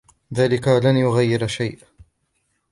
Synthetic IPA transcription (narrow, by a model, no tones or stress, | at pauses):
ðaːlɪkalanjʊɣajːɪɾaʃajʔ